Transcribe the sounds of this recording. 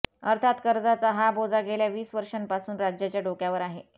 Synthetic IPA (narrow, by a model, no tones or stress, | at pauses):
əɾt̪ʰat̪kəɾd͡zat͡saɦabod͡zaɡʱeljaʋiːsʋəɾʂənpasuːnɾad͡ʑjat͡ɕjaɖokjaʋəɾaɦe